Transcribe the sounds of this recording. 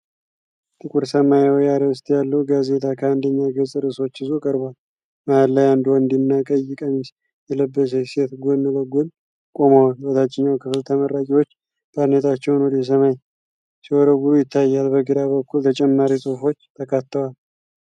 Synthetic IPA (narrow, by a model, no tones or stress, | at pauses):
t̪ʰʼɨkʼuɾsəmajawɔjaɾəɨst̪ʼjalːəwɡaze̞t̪ʼʰakʰəand̪əɲːaɡəsʼɨɾɨso̞t͡ʃːɨzokʼəɾbwal | maalːajand̪nd̪inːakʼəjːɪkʼəmis | jɛləbːəs̬eset̪ɡonːɨləɡon | kʼo̞mawalwɔt̪ʰat͡ʃːɪɲːawkʰɨfɨlt̪ʰəməɾːakʼiwo̞t͡ʃː | b̥ad̪nət̪ʰat͡ʃːɛwnwɔd̪es̬əmaj | siwɔɾəɡuɾujɪt̪ʰːajːalbəɡɨd̪aβəkʰːult̪ʰət͡ʃʼɛmːaɾisʼohfo̞t͡ʃːt̪ʰəkʰat̪ːəwal